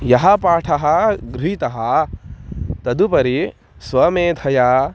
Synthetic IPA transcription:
jɐɦɐpaːʈʰɐɦɐɡɾuɦit̪ɐɦɐ | t̪ɐd̪upɐɾi | sʋɐmeːd̪ʱʰɐjaː

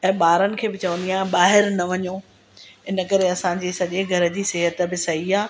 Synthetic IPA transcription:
ɛ̃ːɓaːɾənɪ̆kʰeːbɪt͡ɕɐʋə̃nd̪iãːɓaːɦɪɾnɐʋɐɲoː | ɪnə̆kɐɾeɐsãd͡ʑiːsɐʄeɡʱɐɾ̆d͡ʑiːsɛɦət̪ə̆bɪsɐɦiaː

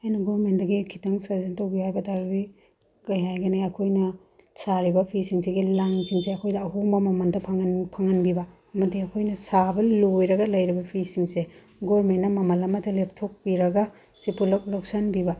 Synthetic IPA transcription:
ajnɐɡoɾmentdɐɡikʰitɐŋsɐzentawbihajbɐtaɾdi | kɐjɦajɡɐneɐkʰojnɐ | saɾibɐpʰisiŋsiɡilaŋsiŋseɐkʰojdɐɐɦumbɐmɐmɐndɐpʰaŋpʰaŋɐnbibɐ | ɐmɐdiɐkʰojnɐsabɐlojɾɐɡɐlɐjɾibɐpʰisiŋse | ɡoɾmentnɐmɐmɐlɐmɐtʰɐlep̚tʰok̚piɾɐɡa | sipullok̚sanbiba

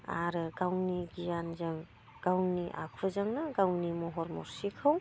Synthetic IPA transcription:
a̰ɾɯɡawniɡijanzaŋ | ɡ̥awniʔa̰kʰɯzaŋnaɡawnimɔɦɔɾmɔ̰ɾsikʰaw

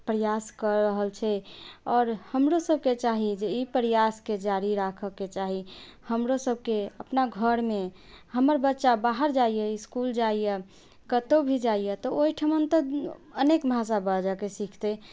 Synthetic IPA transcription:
pɾəjaskəɾːəɦəlt͡ʃʰɛɔːɾhəmɾosəb̚ʱket͡ʃaɦid͡ʒeipɾəjasked͡ʒaɾiɾakʰəket͡ʃaɦihəmɾosəb̚keəpnaɡʱəɾme | həməɾbətːʃabaɦəɾd͡ʒaijeɪskuld͡ʒaijɛ | kət̪obʱid͡ʒaijet̪ɔoiʈʰəmənt̪əd̪ənekmʱas̬abəd͡ʒakesikʰt̪e

